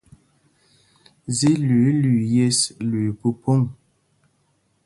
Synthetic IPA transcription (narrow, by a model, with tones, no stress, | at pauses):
zi˦lʉ˨˦lʉ˨je˦slʉ˨pu˦po˦ŋ